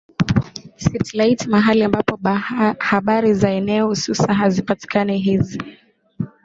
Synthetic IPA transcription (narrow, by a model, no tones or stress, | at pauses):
sitlaitimaɦaliambapɔhaɓaɾizaɛnɛɔhususanɦazipati̥kanɛɦizi